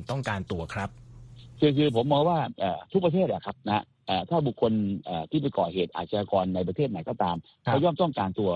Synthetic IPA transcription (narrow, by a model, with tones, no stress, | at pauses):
t̪ɔ˥˩ŋkaː˧nt̪u˧ɐkʰɾa˦˥p̚kʰɯː˧kʰɯː˧pʰo˩˦mːɔː˧ŋwaː˥˩ʔaː˨˩t̪ʰu˦˥kpɾa˧t̪ʰeː˥˩t̪̚la̰˨˩kʰa˦˥p̚na̰˦˥ | ʔaː˨˩t̪ʰaː˥˩bu˨˩kʰːo˧nʔaː˨˩t̪ʰiː˥˩pa˧jkɔː˨˩heː˨˩t̪̚ʔa̰˨˩t̪̚sa˧jaː˧kɔː˧nːa˧jp̬ɾa˧t̪ʰeː˥˩t̪̚na˨˦jkɔː˥˩t̪aː˧m | kʰːjɔː˥˩mt̪ɔ˥˩ŋkaː˧nt̪u˧ɐ